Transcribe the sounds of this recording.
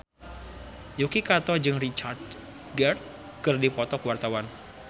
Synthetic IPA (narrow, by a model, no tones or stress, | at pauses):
jukikat̪ɔd͡ʒɨŋrit͡ʃard̪ | ɡɛrt̪̚ | kɨrdipɔt̪ɔkəwart̪awan